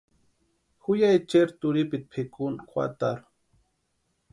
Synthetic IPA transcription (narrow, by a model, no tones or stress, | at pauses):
xʊjajt͡ʃeɾt̪ʊɾipɪt̪̚pʰekʊnkwa̰t̪aɾʊ